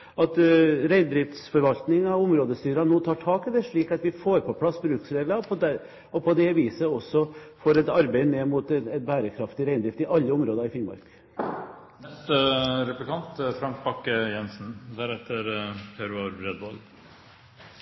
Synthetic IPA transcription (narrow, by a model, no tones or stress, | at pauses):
ɑt̪ɾæɪnd̪ɾɪft̪sfɔɾʋɑlt̪nɪŋɑʋʊmɾoːd̪əst̪yːɾɑnoːt̪ʰɑːʈʰɑːkɪd̪ɛʂɭiːkɑt̪ʋɪfoːɾpʰɔpʰlɑsːbɾʉːksɾeːɡ̪lɑpʰɔd̪ɛ | ɔpʰɔd̪ɛʋiːsəɔsːɔfoːɾɛt̪ɑɾbæɪneːmuːt̪ɛt̪bæːɾəkʰɾɑft̪ɪɾæɪnd̪ɾɪft̪ɪʔɑlːəʊmɾoːd̪ɑɾɪfɪŋmɑ̰ɾk | nɛst̪əɾɛplɪkʰɑnt̪fɾɑŋk̚bɑkːəjɛnsn̩d̪æɾɛt̪ʰːəɾpʰæɾʉɑɾbɾɛd̪ʋɔl